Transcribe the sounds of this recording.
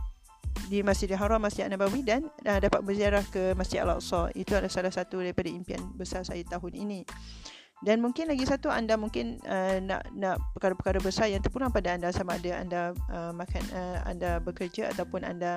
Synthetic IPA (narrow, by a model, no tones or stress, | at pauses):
dimasɪdiɦaɾamːasɪa̰nabawidanədapat̪̚bəziaɾahkəmasɪa̰la̰ʔsɔḭt̪uandasalahsat̪udaɾipadaimpia̰nbəsarsajat̪aɦʊnḭnĩ | danmũŋkɪnlaɡisat̪ua̰ndamuŋkɪnənã̰ʔnãʔpəkaɾapəkaɾabəsarjaŋt̪ərpulaŋpadaandasamaːdaa̰ndaəmãkanəa̰ndabəkərd͡ʒaa̰t̪awpʊna̰nda